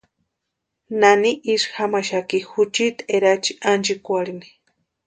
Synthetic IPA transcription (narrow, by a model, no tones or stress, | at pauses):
naniʔiʂxamaʃakixut͡ʃit̪eɾat͡ʃi̥ʔand͡ʒikʷaɺini̥